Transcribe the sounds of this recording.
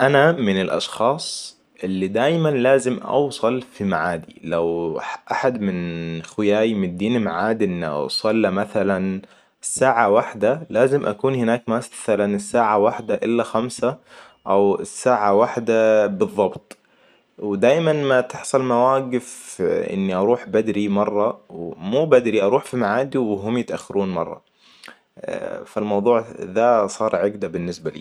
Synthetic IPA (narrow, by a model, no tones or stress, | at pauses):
ʔanamɪnɪlʔɑ̰ʃxɑːsˤ | ʔɪlːid̪aːjmanlaːzɪmʔɑ̰wsˤɑlfimaʕaːd̪ilawʔaħad̪mɪnxʊjaːjmɪnd̪iːnmaʕaːd̪ʔɪn̰ːsˤɑlːamaθalan | ɪsːaːʕawaħd̪alaːzɪmʔa̰kuːnhɪnaːkmasθalanɪsːaːʕawaħd̪aʔɪlːaxamsa | ʔawɪsːaːʕawaħd̪abɨðˤːɑbt̪ˤ | wɪd̪aːjmanmat̪ɪħsˤɑlmawaːɡɪfʔɪ̰nːiʔɑɾˤuːħbad̪ɾimɑrˤːɑwmuːbad̪ɾiʔɑɾˤuːħfimaʕaːd̪iwɦʊmjɪt̪ʔaxːaɾʔuːnmɑ̰rˤːɑ̰ | falmɑwðˤuːʕðasˤɑːɾˤʕɪɡd̪abɪnːɪsbalḭː